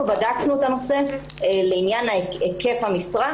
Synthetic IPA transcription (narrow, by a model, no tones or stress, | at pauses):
ubadaknuetano̞se̞ | leinjanaeke̞fhamisʁa